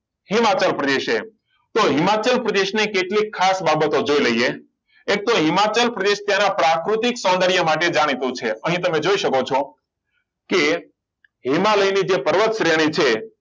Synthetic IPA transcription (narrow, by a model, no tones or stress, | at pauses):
hɪmat͡ʃəlpɾəd̪eʃe | t̪oɦɪmat͡ʃəlpɾəd̪eʃnekeʈlikʰːasbabət̪od͡ʒoiləije | ek̚t̪oɦɪmat͡ʃəlpɾəd̪eʃt̪janapɾakɾut̪iksɔ̃nd̪əɾjəmaʈed͡ʒaɽ̃it̪ũt͡ʃʰeəɦĩt̪əmed͡ʒoiʃəkot͡ʃʰo | ke | ɦimaləjnid͡ʒepəɾʋət̪ʃɾeɽ̃it͡ʃʰe